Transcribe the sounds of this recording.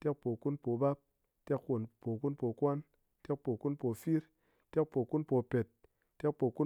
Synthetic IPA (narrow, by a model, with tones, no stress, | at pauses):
tɛ˦k̚po˨ku˦npo˨ba˦p̚ | te˦kwo˨npo˨ku˦npo˨kwa˦n | tɛ˦k̚po˨ku˦npo˨fi˦ɾ | te˦k̚po˨ku˦npo˧pe˨t̚ː | ɛ˦k̚po˨ku˦